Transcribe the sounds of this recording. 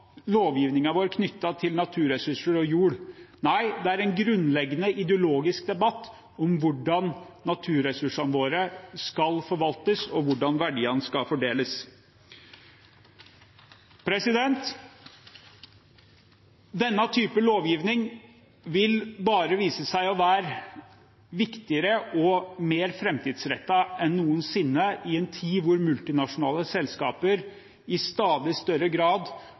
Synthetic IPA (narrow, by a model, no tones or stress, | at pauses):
loːʋjiːʋnɪŋɑʋoːɾkʰnʏt̪ːɑt̪ʰɪlnɑt̪ʰʉːɾɛsʉʂəɾɔjʉːɽnæɪd̪ɛæɾɛnɡɾʉnlɛɡːnəʔɪd̪ɛʊloːɡɪsk̚d̪ɛbɑt̪ː | ɔmʋʊɖɑn | nɑt̪ʰʉːɾɛsʉʂɑnʋoːɾəskɑlfɔɾʋɑlt̪əsɔʋʊɖɑnʋæɖiːɑnskɑlfɔɖeːləs | pʰɾɛsɪd̪ɛnt̪ | d̪ɛnːət̪ʰyːpəloːʋjiːʋnɪŋ | ʋɪlbɑːɾəʋiːsəsæɪɔʋæːɾ | ʋɪkt̪ɪəɾəʔɔmeːɾfɾɛmt̪iːd̪sɾɛt̪ːɑʔɛnːuːənsɪnːəɪɛnt̪ʰiːʋʊɾmʉlt̪ɪnɑʂʊnɑːləsɛlskɑ̰ːpəɾ | ɪst̪ɑːd̪ɪst̪œɾəɡɾɑːd̪